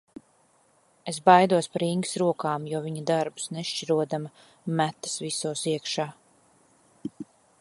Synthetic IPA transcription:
esbajd̪uɔspaɾiŋɡsɾuɔkaːmjuɔviɲad̪aɾbu̥sneʃt͡ʃiɾuɔd̪ama | mæt̪ːɐ̥svisuːsiɛkʃaː

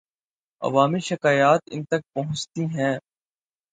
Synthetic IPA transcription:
ɐ̰ʋaːmiʃɪkaːjaːt̪ɪ̰nt̪ɐk̚pɐɦʊ̃t͡ʃt̪iɦɛ̃ː

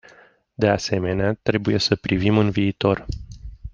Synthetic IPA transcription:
d̪e̞ase̞me̞neat̪ɾe̞buje̞səpɾivimɨnviːt̪o̞r

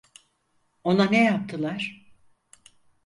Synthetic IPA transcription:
o̞nanejap̚t̪ʰɯlˠaɾ̥

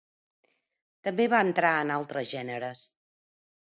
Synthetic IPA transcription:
t̪əmbeβaənt̪ɾaənalˠt̪ɾəzʒɛnəɾəs

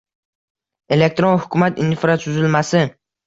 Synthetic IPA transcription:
e̞lek̚t̪ɾonhʊkʰʲʊmat̪ɪnɪfɾasʰʊzɪlmasɪ

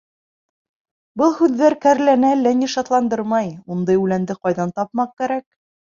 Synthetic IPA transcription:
bɤlˠhʉðːæɾkæɾlænælːæniʃɑt̪lˠɑnd̪ɤɾmɑjund̪ɤjʉlænd̪ɘqɑjðɑnt̪ɑpmɑq̚kæɾæk̚

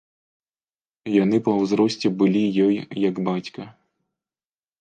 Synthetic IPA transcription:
jan̪ɨpɐwzɾɔsʲt͡sʲɛbɨlʲijɔjjɐɡbat͡sʲkɐ

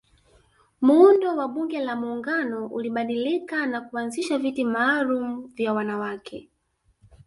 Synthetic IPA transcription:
muundɔwaɓuŋɡɛlamuːŋɡanɔʔuliɓaɗilikanakuanziʃavitimaːlum̩vjawanawakʰɛ

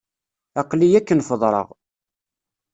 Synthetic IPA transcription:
ɑqlijækːənfəðˤɾˤə̰ʁ

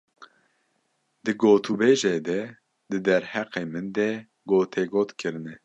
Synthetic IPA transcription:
d̪ɨɡoːt̪ʰubeːʒed̪ɛ | d̪ɨd̪ɛɾhɛqeːmɨnd̪ɛ | ɡoːt̪ʰeːɡoːt̪kʰɨɾɨnɛ

